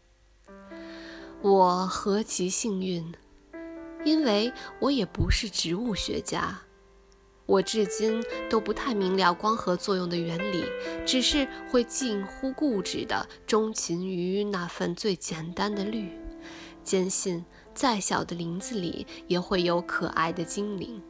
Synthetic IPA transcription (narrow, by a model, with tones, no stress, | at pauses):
wɔ˨˩xɤ˧˥t͡ɕʰi˧˥ɕi˥˧ŋy˥˩n | i˥nwe˥˩ɪwɔ˧˥jɛ˨˩pu˧˥ʂɻ̩˥˩ʈ͡ʂɻ̩˧˥u˥˩ɕɥɛ̰˧˥t͡ɕja̰˥ | wɔ˨˩ʈ͡ʂɻ̩˥˩t͡ɕi˥nt̪o˥ʊpu˧˥t̪ʰa˥˩ɪmi˧˥ŋljɑ˥˩ʊkwɑ˥ŋxɤ˧˥t͡swɔ˥˧jʊ˥˩ŋd̪ə˩ɥɛ˧˥nlḭ˨˩˦ʈ͡ʂɻ̩˨˩ʂɻ̩˥˧xwe˥˧ɪt͡ɕi˥˩ŋxu˥ku˥˩ʈ͡ʂɻ̩˨˩d̪ə̰˦ | ʈ͡ʂʊ˥ŋt͡ɕʰi˧˥ny˧˥na˥˧fə˥˧nt͡swe˥˩ɪt͡ɕjɛ˨˩nt̪a˥nd̪ə˨ly˥˩ | t͡ɕjɛ˥nɕi˥˧n | t͡sa˥˩ɪɕjɑ˨˩ʊd̪ə˦li˧˥ŋd͡zɹ̩˥˧lḭ˨˩˦jɛ˨˩xwe˥˩ɪjo˧˥ʊkʰɤ̰˨˩ʔa̰˥˩ɪd̪ə˩t͡ɕi˥ŋlḭ˧˥ŋ